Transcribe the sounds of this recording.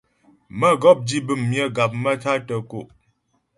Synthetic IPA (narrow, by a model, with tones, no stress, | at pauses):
mə˦ɡɔ˦p̚d͡ʒi˦bɨ˦˨mːjə˦ɡa˨p̚mə˦tʰa˦tə˨ko˨ʔ